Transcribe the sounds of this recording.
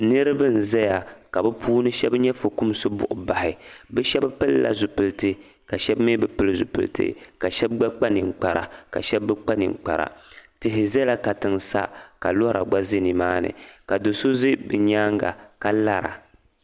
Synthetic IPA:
nɨ˦ɾɨ˦bɨ˦n̩˨zɛ˦ja˨ka˨bɛ˦pʰuː˦nɨ˦ʃɛ˦bɲɛ˦fo˨ku˦m˦sɨ˦bʊ̰˦˨ʔʊ˨ba˨hɪ˨bɛ˦ʃɛ˦bpɨ˦lːa̰˨zu˨pɨ˨ltɨ˦ | ka˨ʃɛ˦bme˦bɛ˨pɨ˦lɨ˦zṵ˨pɨ̰˨ltɨ̰˦ka˨ʃɛ˦b̚ɡ͡ba˦k͡pa˦nɨ˨ŋ͡m̩˨k͡pa˨ɾa̰˨ka̰˨ʃɛ˦bːɨ˦k͡pa˦nɪ̰˨ŋ˨k͡pa̰˨ɾa̰˨tɨ˨ɦɪ˨zɛ˦la˦ka˨tɨ˨ŋsa̰˦ka˨lɔ˦ɾa̰˨ɡ͡ba˦zi˦nɨ˨maː˦nɨ̰˨ka˨do˨so˦zi˦bɨ˨ɲaː˦ŋɡa̰˨ka˦la˦ɾa̰˨

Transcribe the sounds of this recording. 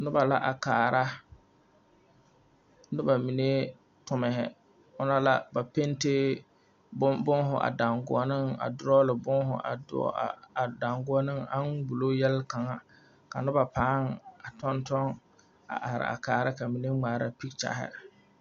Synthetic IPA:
nʊ˦ba˨la˦ʔa˨kaː˨ɾa˦ | nɪ˦ba˨mi˨ne˦ | tʊ˨mɛ˨ɦɪ˨ | ʊ˦na˦la˨ba˨pe˦ntɪ˦ | bʊ˦bʊ˦ŋɦʊ˨ʔa̰˨da˨ŋɡʊ˨ɔ˨nɪ˦ŋa̰˨dʊ˦ɾɔ˦lɪ˨bʊ˦ŋɦʊ̰˨ʔa̰˨dʊ̰˨da˨ŋɡʊ˦ɔ˦nɪ˦ŋa˦nbu˨lo˦jɛ˦lka˨ŋa˨ | ka˨nɪ˦ba˨paː˦ŋa˨tɔ˦ntɔ˦ŋ | a̰˨ʔa˨ɾɪ̰˨a̰˨kaː˨ɾa˦ka˨mi˨ne˦ŋ͡maː˨ɾa˦pi˦k̚t͡ʃa̰˨ɦɪ̰˦

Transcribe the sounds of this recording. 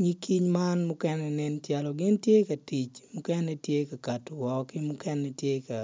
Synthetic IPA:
ŋi˦ki˦ɲma˦nmʊ˦kɛ˦nɛ˨nɛ˦ntja˨lɔ˨ɡɪ˦ntje˦ka˨ti˨t͡ʃmʊ˦kɛ˦nɛ˨tje˦ka˨ka˨tʊ˨wɔ˨kɪ˦mʊ˦kɛ˦nɛ˨tje˦ka˨

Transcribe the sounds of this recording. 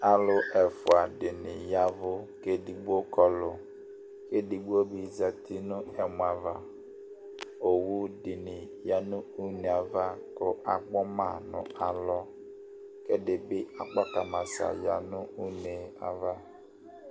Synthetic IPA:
a˦lʊ˦ʔɛ˨fʊ˨a˨dɪ˨nɪ̰˨ja˦vʊ˦ke˦di˨ɡ͡bo˦kɔ˨lʊ˨ | ke˦di˨ɡ͡bo˦bi˨za˦tʰi˦nʊ˦ɛ˨m˨a˨va˨ | o˨wu˦dɪ˨nɪ˨ | ja˦nʊ˦u˦ne˨a˨va˦kʊ˦ʔa˨ɡ͡bɔ˦ma˨nʊ̰̃˨a˨lɔ˦ | ke˦dɪ˨bɪ˦a˨k͡pa˦ka˨ma˨sa̰˨ja̰˨nʊ˦u˦ne˨a̰˨va˦

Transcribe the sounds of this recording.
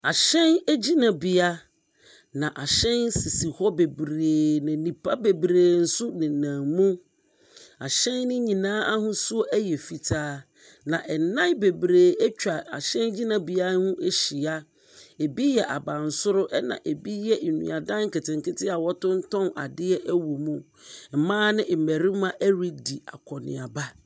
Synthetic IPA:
a˨ɕɛ̃˦ne˦d͡ʑi˦nã˨bi˨a˦ | nã˨ʔa˨ɕɛ̃˦nsi˨si˨hɔ˦be˨bɾeː˨nã˨nĩ˨pʰa˦be˨bɾeː˨n̩˦sʊ˦nɪ̃˨nã˨mũ˦ | a˨ɕɛ̃˦nːɪ̃˦ɲĩ˨nãː˦a˦hʊ̃˦sʊ˦ʔæ˦jɛ˨fi˨tʰaː˦ | nã˨ʔɛ˨nã˦be˨bɾeː˨ɛ˦t͡ɕᶣa˨a˨ɕɛ̃˦nd͡ʑi˦nã˦bi˨a˦hʊ̃˦ʔe˦ɕi˨a˦ | e˨bi˦jɛ˨ʔa˨bã˨n̩˨sʊ˦ɾʊ˦ʔɛ˦nã̰˨ʔe˨bi˦jɛ˦˨nṵ̃˨a˨dã˦ŋŋ̩˦ke˨tʰɪ̃˨ŋ˨kɪ˦tɪ˦a˨wɔ˦tʊ̃˦n̩˦tʰɔ̃˦na̰˨dɪ˦ɛ˦ʔæ˦wu˨mũ˦ | m̩˨mãː˦nɪ̃˦m̩˨mæ˨ɾĩ˦mã˦ʔæ˦ɾi˦di˨a̰˨kʰɔ˨nɪ̰̃˨a˨ba˦

